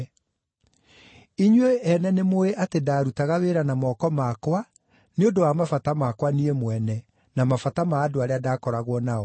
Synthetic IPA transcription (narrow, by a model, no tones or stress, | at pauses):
iɲweɛnɛnemoeʔatedaːɾutaɣaweɾanamɔkɔmakwa | neondowamafatamakwaniemwɛnɛ | namafatamaːdoaɾeadaːkɔɾaɣwɔnaɔ